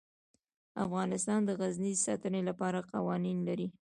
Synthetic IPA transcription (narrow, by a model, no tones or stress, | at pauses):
a̰fɣɑnɪst̪ɑnd̪əɣaznizsɑ̰t̪ənelapɑɾaqɑwɑninlaɾi